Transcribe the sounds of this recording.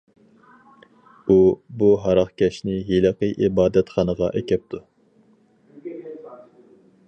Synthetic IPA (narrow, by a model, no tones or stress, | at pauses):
ubuɦɑɾɑχkʲʰɛʃnɪɦeləqəʔibɑːd̪ɛt̪χɑnəʁɑ̰ʔɛkʲʰɛp̚t̪ʰu